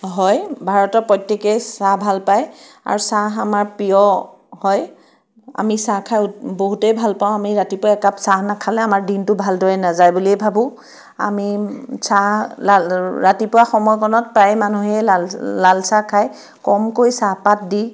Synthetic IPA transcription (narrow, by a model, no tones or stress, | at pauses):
ɦɔjbʱaɹɔtɔpɔjtːekesabʱalpaj | a̰ɹusaɦamaɹpijɔ | hɔj | a̰misakʰajboɦutejbʱalpaʊ̃amiɹatipʊaɛkapsaɦnakʰalɛamaɹdintʊbʱaldɔjɛnazajbuliɛbʱabʊ̃ | a̰misalaɹatipʊwaxɔmɔjkɔnɔt̚pɹajmanuɦɛlalalsakʰaj | kɔmkojsapat̚di